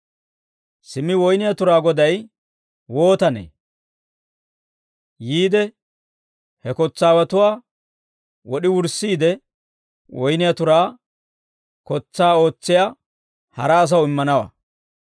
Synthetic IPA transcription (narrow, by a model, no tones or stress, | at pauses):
sɪmɪwɔjnɪjat̪ʊɾaːɡɔd̪ɐj | wo̞ːt̪ɐnḛː | jiːd̪ɛ | hɛkɔt͡sːaːwɐt̪ʊwaː | wɔɗɪwʊɾsiːd̪ɛ | wɔjnɪjat̪ʊɾaː | kɔt͡sːaːo̞ːt͡sːɪja | hɐ̰ɾɐːs̬ɐwɪmːɐnɐwɐ̰